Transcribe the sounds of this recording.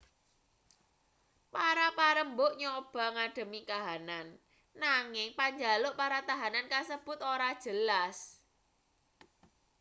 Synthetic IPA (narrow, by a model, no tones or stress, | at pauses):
paɾapaɾəmbʊʔɲɔb̥a̤ŋaɖ̥ə̤mikaɦananː | aŋɪŋpaɲd͡ʒa̤lʊʔpaɾat̪aɦanankasəb̥ʊ̤t̪oɾad̥ʒ̥ə̤las